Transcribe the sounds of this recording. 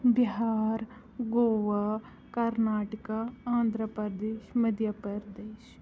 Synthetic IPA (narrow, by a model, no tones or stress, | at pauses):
biɦaːɾ | ɡoːʋaː | kɐɾnaːʈəkaãːnd̪ɾəpəɾd̪eːʃmɐd̪ʱjapəɾd̪eːʃ